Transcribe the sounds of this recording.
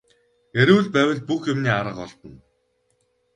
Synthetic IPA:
eɾŭwɮpæːwʲə̆ɮ̚puxjʊmniːaɾə̆qɔɮt̪ə̆n

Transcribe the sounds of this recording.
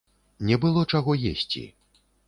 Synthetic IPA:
nʲɛbɨlˠɔt͡ʂaɣɔjḛsʲt͡sʲḭ

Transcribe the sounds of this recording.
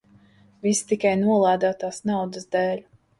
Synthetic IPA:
vist̪ikajnuɔlˠaːd̪aːt̪aːsnawd̪əsd̪ɛːlʲ

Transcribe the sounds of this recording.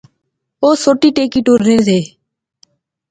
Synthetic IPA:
oːsoːʈiːʈeːkiːʈuːɾneːɾzeː

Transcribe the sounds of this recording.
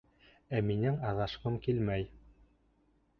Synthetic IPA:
æminɘŋɑðɑʃqɤmkilmæj

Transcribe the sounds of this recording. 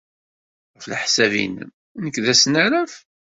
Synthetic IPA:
ʁəfləħsævḭnə̰m | nəkːðæsnæɾæf

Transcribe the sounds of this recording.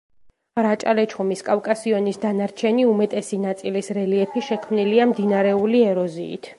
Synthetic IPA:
ɾat͡ʃʼalɛt͡ʃʰχɔmiskʼafkʼasiɔnisd̪anaɾt͡ʃʰɛniumɛt̪ʼɛsinat̪sʼilisɾɛliɛpʰiʃɛkʰmniliamd̪inaɾɛuliɛɾɔzḭːt̪ʰ

